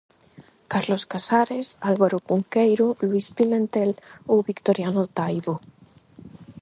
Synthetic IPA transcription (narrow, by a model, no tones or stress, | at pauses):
kaɾloskasaɾesalβaɾokuŋkejɾolwispilent̪elowβikt̪oɾjanot̪ajðo